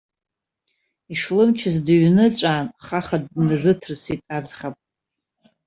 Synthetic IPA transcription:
iʂlɨmt͡ʃʰɪzdɥnɨt͡sʷʼaːnχaχadnɨzɨtʰrsitʼad͡zχapʼ

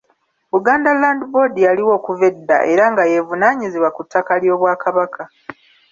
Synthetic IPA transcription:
βuɡaːndalaːndibo̞dijaliwo̞ːkuvedːa̰ʔe̞ɾaŋɡaje̞vunaːɲiziβwakutʰːakaljo̞ːβwaːkʰaβakʰa

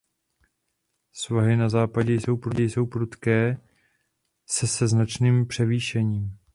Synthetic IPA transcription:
svaɦɪnazaːpaɟɛjso̞wpɾuɟɛjso̞wpɾut̪kɛː | sɛsɛznat͡ʃniːmpr̥ɛviːʃɛɲiːm

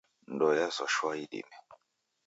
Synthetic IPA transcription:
ndɔjasɔʃwaidḭmɛ

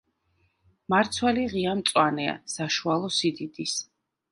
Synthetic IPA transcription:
maɾt̪sʰwɛliʁiamt̪sʼwanɛa̰saʃualˠɔsid̪id̪is

